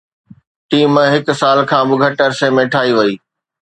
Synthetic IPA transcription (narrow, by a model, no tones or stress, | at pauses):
ʈiːmɦɪk̆saːlkʰãːbɪɡʱɐʈəɐɾsemẽʈʰaːiʋɐiː